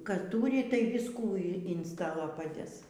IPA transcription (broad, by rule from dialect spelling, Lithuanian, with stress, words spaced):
ˈkɑː ˈtuːrʲɪ tɐɪ ˈʋʲɪskuː ɪn ɪn ˈstɑːlˠoː pɐˈdʲeːs